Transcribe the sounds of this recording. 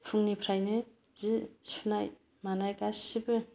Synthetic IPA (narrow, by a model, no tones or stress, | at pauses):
pʰɯŋnipʰɾajnɯ | zisunaj | manajkasibɯ